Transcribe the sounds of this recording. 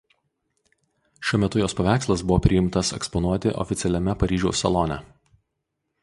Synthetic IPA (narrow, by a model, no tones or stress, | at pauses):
ʃʲuɔmʲɛt̪ʊjoːspɐʋʲæˑɪkslˠɐsbʊʋoːpʲɾʲɪjɪmt̪ɐsɛ̰kspɔnuɔt̪ʲɪʔɔ̰fʲɪt̪sʲɛlʲɛmʲɛpɐɾʲiːʒʲɛʊsʲɛlˠɔnʲɛ